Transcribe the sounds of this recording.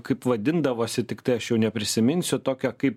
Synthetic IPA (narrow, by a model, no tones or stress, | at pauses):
kɐɪpʋɐd̪ʲɪnd̪ɐʋoːsʲɪt̪ʲɪkt̪ɐɪɐʃjɛʊnʲɛpʲɾʲɪsʲɪmʲɪnʲsʲʊt̪oːkʲɛkɐɪp